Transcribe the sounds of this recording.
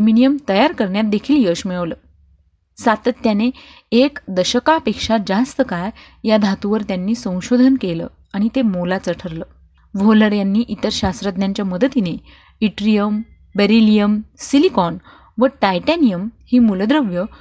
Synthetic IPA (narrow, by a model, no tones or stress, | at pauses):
minijəmt̪əjaɾkəɾɳjat̪̚d̪ekʰiːljəɕmiɭəʋləː | sat̪ət̪ːjane | ekd̪əɕəkapekʂad͡zast̪əkaɾ | jad̪ʱat̪uʋəɾt̪janːiːsə̃w̃ɕod̪ʱənkelə̰ː | aɽ̃it̪emolat͡səʈʰəɾləː | ʋʱoləɾjanːiːʔit̪əɾɕast̪ɾəd̪njaɲt͡ɕjaməd̪ʱət̪ine | iʈɾijəm | beɾilijəmsilikɔn | ʋəʈajʈɛnijəmhiːmuləd̪ɾəʋjə